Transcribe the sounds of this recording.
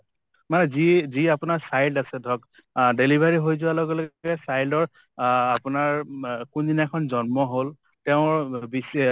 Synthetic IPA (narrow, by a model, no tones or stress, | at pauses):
manɛziziapʊnaɹsajldasɛdʱɔk | delibʱaɹiɦojzʊaloɡɛloɡɛsajldɔɹ | apʊnaɹkundinakʰɔnzɔnmɔɦol | tɛʊ̃ɹbis